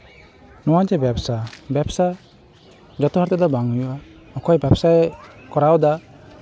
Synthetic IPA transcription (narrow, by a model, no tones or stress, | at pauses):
nɔwad͡ʒɛbɛpsabɛpsa | d͡ʒɔt̪ɔhaɾt̪ɛd̪ɔbaŋujua | ɔkɔjbɛpsajkɔɾawd̪a